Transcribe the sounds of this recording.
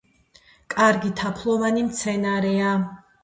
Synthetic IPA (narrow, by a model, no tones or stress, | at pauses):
kʼaɾɡit̪ʰapʰlˠɔvanimt̪sʰɛnaɾɛa